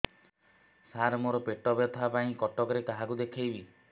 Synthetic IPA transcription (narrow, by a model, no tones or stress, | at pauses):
saɾmoɾɔpeʈɔbjet̪ʰɔapaĩkɔʈɔkɔɾekaɦakud̪ekʰejbi